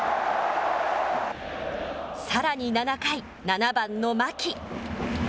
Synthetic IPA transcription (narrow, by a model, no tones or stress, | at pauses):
saɾaɲ̟inanakai | nanabãnːo̞makʲi